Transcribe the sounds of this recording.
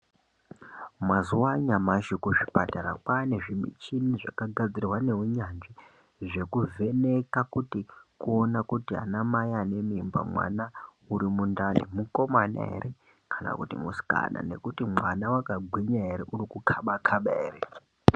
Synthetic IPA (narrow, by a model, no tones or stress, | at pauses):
mazuwaɲamaʃikuʐipataɾakwane̞ʐimḭt͡ʃiniʐakaɡʱad͡zirwane̞uɲanʐi | ʐe̞kuve̞ne̞kakutikuo̞nakutia̰namajane̞mimba̰mwa̰na | uɾimundanḭmuko̞mana̰ɦḛɾe | kʰana̰kutḭmusi̥ka̰na̰ne̞̰kutimwanawakaɡʱwiɲaɦe̞ɾeʔurikukʰaɓakʰaɓaere